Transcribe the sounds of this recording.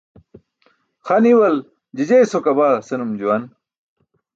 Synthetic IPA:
xɐniwɐl | d͡ʑid͡ʑejsokɐbaːsenumd͡ʑuwɐn

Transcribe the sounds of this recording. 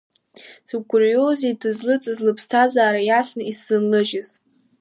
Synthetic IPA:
sɨɡʷʼʊrjozedɨzlɨt͡sʼɨzlɨpʰstʰazaːɾajasnɨisːɨnlɨʒɪz̥

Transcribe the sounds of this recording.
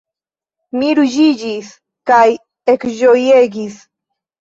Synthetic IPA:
miɾud͡ʒid͡ʒis | kaj | ekʒojeɡis

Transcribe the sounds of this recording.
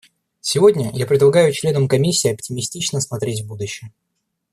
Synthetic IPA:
sʲɪvo̞dʲnʲəjapɾʲɪd̪lˠɐɡajʊt͡ɕlʲe̞nəmkɐmʲisʲːɪːɐptʲɪmʲɪsʲtʲit͡ɕnəsmɐt̪ɾʲetʲvbud̪ʊɕːɪjə

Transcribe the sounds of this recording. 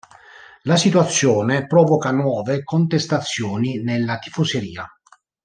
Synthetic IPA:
lasit̪wat̪sːjɔːnepɾɔːvɔkanwɔːvekont̪est̪at̪sːjɔːninelːat̪ifoseɾiːa

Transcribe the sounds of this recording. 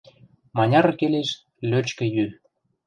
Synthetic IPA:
mɑnʲɑɾkeleʃ | løt͡ɕkə̆jy

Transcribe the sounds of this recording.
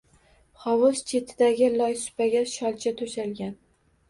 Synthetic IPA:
χɒwʊz̥t͡ʃʰe̞t̪ʰɪd̪aɡʲɪlɒjsʊ̥paɡʲaʃɒlˠt͡ʃʰat̪ʰʊʃalɡʲan

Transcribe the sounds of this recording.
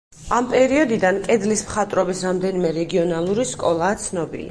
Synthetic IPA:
ampʼɛɾiɔd̪id̪ankʼɛd̪lismχat̪ʼɾɔbisɾamd̪ɛnimɛɾɛɡiɔnalˠuɾiskʼɔlˠaːt̪sʰnɔbḭlḭ

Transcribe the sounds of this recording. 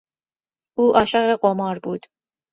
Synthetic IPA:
ʔuːʔɒːʃæɣeɢomɒːɾbuːd̪̥

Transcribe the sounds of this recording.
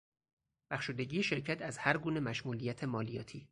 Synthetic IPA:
b̥æxʃuːd̪e̞ɟiːeʃe̞ɾcʰæt̪ʰæzhæɾɡuːne̞mæʃmuːlijæt̪ʰemɒːlijɒːt̪ʰiː

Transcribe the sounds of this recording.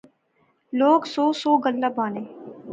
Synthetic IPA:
loːɡsoːsoːɡəlːabaːneː

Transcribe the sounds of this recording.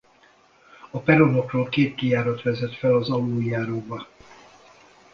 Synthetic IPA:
ɒpɛɾono̞kroːlkeːt̪kijaːɾɒt̪ʋɛzɛt̪fɛlɒzɒluːjaːɾoːbɒ

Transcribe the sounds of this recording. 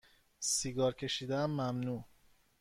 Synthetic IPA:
siɡɒːɾcʲʰe̞ʃiːd̪eæmːæmnuː

